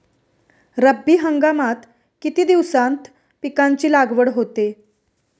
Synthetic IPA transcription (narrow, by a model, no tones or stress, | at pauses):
ɾəbːiːɦəŋɡamat̪ | kit̪iːd̪iʋsãnt̪ | pikaɲt͡ɕiːlaɡʋəɽɦot̪e